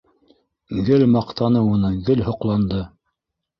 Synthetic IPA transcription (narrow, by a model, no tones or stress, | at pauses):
ɡɘlmɑqt̪ɑnɤwŭnɤɡɘlhŏqlˠɑnd̪ɤ